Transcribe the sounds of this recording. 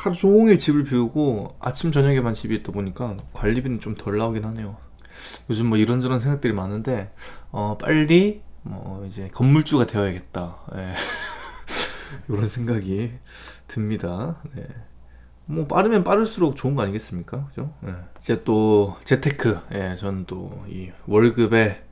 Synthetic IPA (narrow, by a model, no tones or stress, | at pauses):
taɾt͡ɕoːŋit͡ɕibɯɭpiuɡoa̰t͡ɕʰimt͡ɕʌɲʌɡemant͡ɕibiːt͈aboɲik͈akwaʎːibinɯnt͡ɕ͈omtʌɭːaoɡinhane̞jo | jod͡ʑɯmːʌiɾʌnd͡ʑɯɾʌnsʰeŋɡakt͈ɯɾimanːɯnde̞ʌp͈a̰ʎːimʌ̰id͡ʑe̞kʌmːuɭt͡ɕ͈uɡade̞ʌjaɡe̞t̚t͈aje̞ | kɯɾʌnsʰe̞ŋɡaɡi | tʰɯmɲidane̞̰ | mwʌp͈aɾɯmjʌnp͈aɾɯɭs͈uɾok̚t͡ɕoɯnɡʌaɲiɡe̞s͈ɯmɲik͈akɯd͡ʑoje̞id͡ʑe̞t͈ot͡ɕe̞tʰe̞kʰɯje̞t͡ɕʌnɯnt͈o̰iwʌɭɡɯbe̞